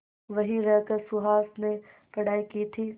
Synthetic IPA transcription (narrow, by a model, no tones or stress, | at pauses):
ʋɐɦĩɾɐkɐɾsʊɦaːsne | pɐɽ̤aːikiːt̪ʰiː